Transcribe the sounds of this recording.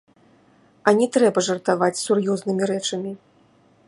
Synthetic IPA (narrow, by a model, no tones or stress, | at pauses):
ɐnʲɛt̪ɾɛbɐʐɐrt̪avat͡sʲsurjuznɨmʲiɾɛt͡ʂɐmʲi